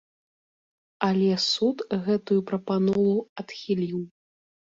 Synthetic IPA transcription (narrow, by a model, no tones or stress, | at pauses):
ɐlʲɛsut̪ɣɛt̪ujupɾɐpanɔlˠuɐt̪xʲilʲiw